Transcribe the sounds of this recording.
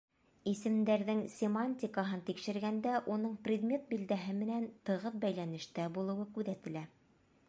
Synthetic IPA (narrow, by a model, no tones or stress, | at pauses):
isɘ̆md̪æɾðɘŋsʲɪmanʲtʲɪkaɦɤnt̪ikʃɘ̆ɾɡænd̪æʔunɤɴprʲɪd̪mʲe̞t̪̚bild̪æɦɘmɘ̆nænt̪ɤ̆ʁɤθbæjlænɘ̆ʃt̪æbulˠɤ̆wɤkʉðæt̪ɘ̆læ